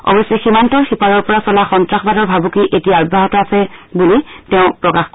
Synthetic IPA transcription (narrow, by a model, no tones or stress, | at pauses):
ɔ̰bɔsɛximantɔɹxipaɹɔɹpɔɹasɔlaxɔntɹaxbadɔɹbʱabukiʔetiaabʱaɦɔtɔasɛbulitɛʊ̃pɹɔkaxk